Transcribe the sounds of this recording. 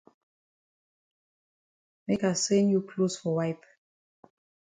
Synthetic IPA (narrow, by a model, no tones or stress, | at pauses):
mekasɛ̃njukʰlosfɔwajp